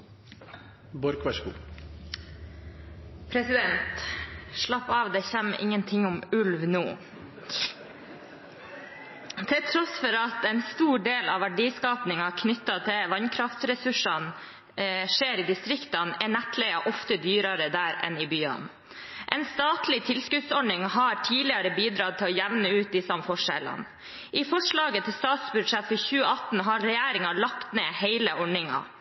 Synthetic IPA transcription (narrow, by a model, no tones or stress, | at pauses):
bɔɾkʋæʂkṵː | pʰɾɛsɪd̪ɛnt̪ʂɭɑpːɑːʋd̪ɛçæmːɪ̰ŋːənt̪ʰɪŋːʊmʉlʋnuː | t̪ʰɛlt̪ʰɾɔsfɔɾɑt̪ɛnst̪uːɖeːlɑʋæɖiːskɑːpnɪŋɑkʰnʏt̪ːɑt̪ʰɪʋɑnkʰɾɑft̪ɾɛsʉʂɑn | ʂeːɾɪd̪ɪst̪ɾɪkt̪ɑnɛnæt̪ʰlɛɑʔɔft̪əd̪yːɾɑɾəd̪æːɾɛ̰nɪbyːɑ̰n | ʔɛɪnst̪ɑːt̪lɪt̪ʰɪlskʉd̪sɔɳɪŋhɑɾʈʰiːlɪɑɾəbiːd̪ɾɑːt̪ʰɪlɔjæʋnəʉːt̪̚d̪ɪsɔmfɔʂɛ̰lə̰n | ʔɪfɔʂɭɑːɡət̪ʰɪlst̪ɑːt̪sbʉd̪ʂɛt̪fɔçʉːəɑt̪n̩ɦɑɾɾɛjæːɾɪŋɑlɑkt̪neːheɪləʔɔɳɪŋɑ̰